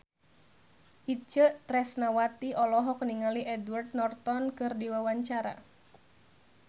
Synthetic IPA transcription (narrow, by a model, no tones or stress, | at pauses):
ʔit͡ʃət̪ɾɛsnawat̪iʔɔlɔɦɔk̚niŋaliʔɛdward̪̚nɔrt̪ɔnkɨrdiwawaɲt͡ʃaɾa̰